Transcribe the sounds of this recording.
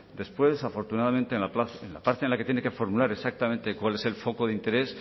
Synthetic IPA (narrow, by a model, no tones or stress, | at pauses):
d̪e̞spwe̞safo̞ɾt̪unaðamẽnt̪enlapaenla̰paɾt̪enlakejene̞ke̞fo̞ɾmulaɾe̞sak̚t̪amẽnt̪e̞kwale̞se̞lfo̞ko̞ðeint̪eɾe̞s